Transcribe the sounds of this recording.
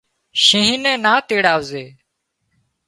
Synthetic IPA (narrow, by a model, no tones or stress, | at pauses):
ʃĩɦinẽːnaːt̪eːɽaːʋzeː